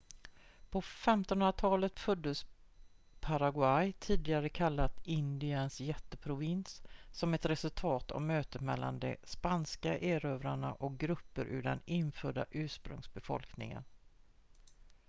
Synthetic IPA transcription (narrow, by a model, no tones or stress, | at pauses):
pʰɔfɛmt̪ɔnɵnɾat̪ʰɑːlət̪fɵd̪ːəs | pʰaɾaɡwajt̪ʰiːd̪ɪɡaɾəkʰalːat̪ɪnd̪ɪənsjɛt̪ːəpʰɾʊvɪnssɔmɛt̪ɾɛsɵlt̪ʰɑːt̪ʰɔ̰mːøːt̪ət̪mɛlːa̰nd̪ɛ̰spanskaʔeːɾøːvɾaɳaʔɔk̚ɡɾɵpːəɾʔʉ̟ːɖɛ̰nɪnfœːɖa̰ʔʉ̟ːʂpɾɵ̰ŋsbɛfɔ̰lknɪ̰ŋə̰n